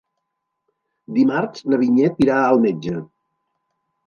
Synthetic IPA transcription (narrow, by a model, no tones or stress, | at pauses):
d̪imaɾsnəβiɲɛt̪̚piɾaəlˠmed͡ʒə